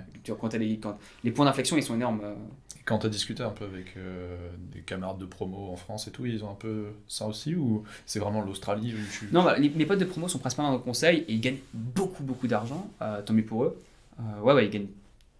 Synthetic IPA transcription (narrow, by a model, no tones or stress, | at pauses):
t̪yʁakɔ̃t̪alekɑ̃ | lepwɛ̃d̪ɛ̃flɛksjɔ̃ilsɔ̃enɔʁmøekɑ̃t̪yad̪iskʲyt̪eɛ̃pøavɛkʰød̪ḛkamaʁad̪ːəpχɔmoɑ̃fχɑ̃set̪uilzɔ̃ɛ̃pøsaosiusɛvʁɛmɑ̃lost̪χaliut̪ynɔ̃balemepɔt̪̚d̪əpχɔmosɔ̃pχɛ̃sipaʁɑ̃d̪ɑlkɔ̃sɛjeilɡaɲbokʰubokud̪aʁʒɑ̃øt̪ɔ̃bipuʁø | øwɛwɛilɡaɲ